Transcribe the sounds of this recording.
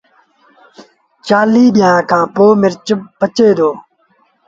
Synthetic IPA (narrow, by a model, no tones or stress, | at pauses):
t͡ʃaːliːɗɪjãːkʰãːpoːmɪɾt͡ʃpət͡ʃeːd̪oː